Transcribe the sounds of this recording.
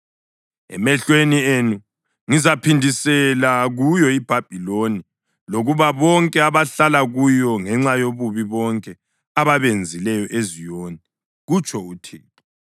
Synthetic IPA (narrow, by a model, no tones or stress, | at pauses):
ɛ̰mɛɬwenienu | ŋizapʰindʱisɛlaɣujɔib̥ʱab̥ʱiloni | loɣuβaβɔŋkʼɛaβaɬalaɣujɔŋɛŋ͡ǁajoβuβiβɔŋkʼɛ | aβaβend͡zʱilɛjɔʔezijoːnɛ | ɣut͡ʃʼʰɔutʰḭːǁɔ